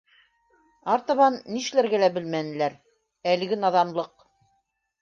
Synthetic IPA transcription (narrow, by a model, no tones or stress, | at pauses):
ɑɾt̪ɑ̆βɑnːiʃlæɾɡælæbɘlmænɘ̆læɾ | ælɘ̆ɡɘnɑðɑmlˠɤq